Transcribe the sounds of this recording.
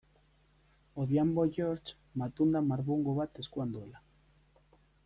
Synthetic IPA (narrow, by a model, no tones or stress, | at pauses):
oðjamboʝoɾt͡ʃ | mat̪und̪amaɾβuŋɡoβat̪e̞skuand̪uela